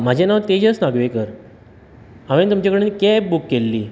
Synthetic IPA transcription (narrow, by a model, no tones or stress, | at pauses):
m̤ad͡ʑʱenaʋt̪ed͡ʑəsnaɡʋekəɾ | aʋint̪umt͡ɕakəɽenikɛp̚bukːelːiː